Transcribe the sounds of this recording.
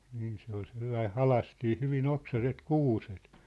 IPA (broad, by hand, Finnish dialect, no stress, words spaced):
niːn se ol selːɑi hɑlɑstiː hyʋin oksɑset kuːset